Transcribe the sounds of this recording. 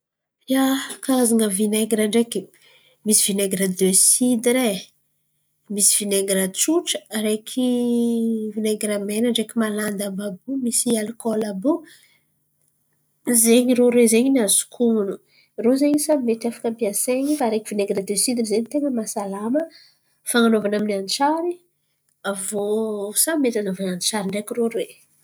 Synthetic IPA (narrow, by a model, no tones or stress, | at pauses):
jakaaziŋəvineɡɾaɳɖ͡ʐeki | misivineɡɾad̪esid̪iɾe | misi̥v̥ineɡɾat͡ʃuʈ͡ʂə̥ɾekʰi | vineɡɾamenaɳɖ͡ʐekʲimaland̪ambabumisialikolabu | zeɲiɾoɾwezeɲiniazu̥kʰunu | rozeɲisameʈ͡ʂafḁkəmpiaseɲifaɾekivineŋɡɾad̪esid̪izeɲit̪eŋəmasalamə | faŋanovanaminiant͡ʃaɾi | avosameʈ͡ʂanovananit͡ʃaɾiɳɖ͡ʐekiroɾe